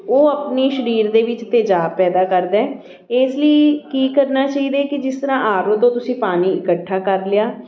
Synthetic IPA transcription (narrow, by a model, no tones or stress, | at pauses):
oːəpniːʃəɾiːɾd̪eːʋɪt͡ʃt̪eːd͡ʒaːb̚pɛːd̪aːkəɾd̪ɛ̃ː | eːsləiːkiːkəɾnaːt͡ʃaːiːd̪eːkɪd͡ʒɪst̪əɾãːʔaːɾət̪õːt̪ʊsĩːpaːniːɪkəʈʰːaːkəɾlɪjaː